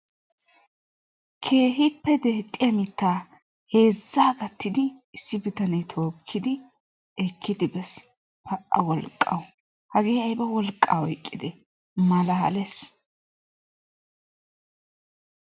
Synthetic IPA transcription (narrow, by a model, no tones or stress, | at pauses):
kʰe̞ːɦɪpːɛd̪eːt̪ʼːɪjɐmɪt̪ːaː | he̞ːzːaːɡɐt̪ːɪd̪ɪɪsːɪbɪt̪ɐnɐjt̪ʰo̞ːkʰːɪd̪ɪ | ɛkʰːɪd̪ɪbɛs | pɐʔːɐ̰wɔlkʼːɐ̰w | hɐɡeːɐjbɐwɔlkʼːaːwɔjkʼːɪd̪ɛ | mɐlɐhɐ̰lɛs